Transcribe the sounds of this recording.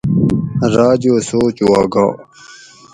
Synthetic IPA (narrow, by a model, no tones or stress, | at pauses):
ɾaːd͡ʑoːsoːt͡ɕuaːɡa̰ː